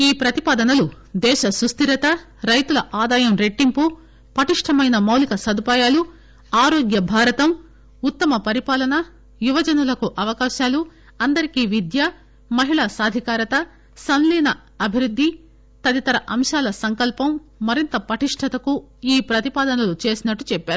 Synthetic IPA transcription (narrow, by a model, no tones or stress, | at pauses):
iːpɾɐt̪ipaːd̪ɐnɐlu | d̪ɛːʃɐsust̪iɾɐt̪ɐ | ɾɐjt̪ulɐʔaːd̪aːjɐmɾe̞ʈːimpu | pɐʈiʂʈʰɐmɐjnɐmɐwlikɐsɐd̪upaːjaːlu | aːɾoːɡjɐbʱaːɾɐt̪ɐm | ut̪ːɐmɐpɐɾipaːlɐnɐ | juʋɐd͡ʒɐnulɐkuʔɐʋɐkaːʃaːlu | ɐnd̪ɐɾikiːʋid̪jɐ | mɐɦiɭaːsaːd̪ʱikaːɾɐt̪ɐ | sɐnliːnɐ | ɐbʱiɾud̪ʱːi | t̪ɐd̪it̪ɐɾɐʔɐmʃaːlɐsɐŋkɐlpɐmː | ɐɾint̪ɐpɐʈiʂʈʰɐt̪ɐkuiːpɾɐt̪ipaːd̪ɐnɐlut͡ʃe̞ːsinɐʈːut͡ʃɛpːeaːɾu